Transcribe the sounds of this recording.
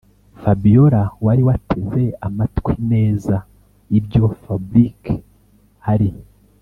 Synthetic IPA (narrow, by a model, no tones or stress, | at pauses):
fabijo̞ɾawaɾiwatʰe̞ze̞amatkwine̞ːza | ibjo̞fabɾike | haɾi